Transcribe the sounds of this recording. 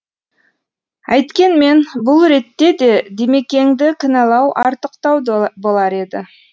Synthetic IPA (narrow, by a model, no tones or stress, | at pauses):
ɑjt̪kʲe̞nme̞nbʊlˠɾe̞t̪ːe̞d̪e̞d̪eme̞kʲe̞ŋd̪ɪkʲʰɪnɑlˠɑwʔɑɾt̪əqt̪ɑwbo̞lˠɑɾe̞d̪ɪ